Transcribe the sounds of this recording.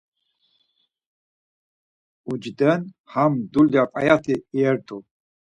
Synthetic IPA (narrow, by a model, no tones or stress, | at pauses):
ud͡ʒd̪ən | hamd̪uljapʼa̰jat̪ʰiːɛɾt̪ʰʼu